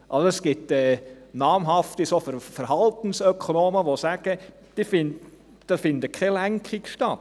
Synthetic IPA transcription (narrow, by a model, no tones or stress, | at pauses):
ʔɑlsoɛsɡ̥ɪtɛnɑːmɦɑft̪isofəɾfəɾhɑlt̪n̩sœkʰonoːməʋosæɡ̥ə | d̥ifɪn | d̥ɑsfɪnd̪əkʰχɛlæŋkχikʃtɑt̪